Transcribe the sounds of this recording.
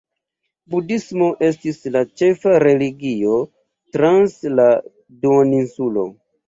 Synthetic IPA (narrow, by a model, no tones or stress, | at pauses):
budismo̞ʔe̞stislat͡ʃe̞faɾe̞liɡio̞ | tɾansla | duoninsulo̞̰